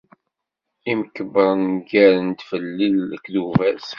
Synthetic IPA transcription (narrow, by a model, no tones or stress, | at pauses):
iməkːəbəɾˤnɡæɾənt̪fəlːiləkðuvæs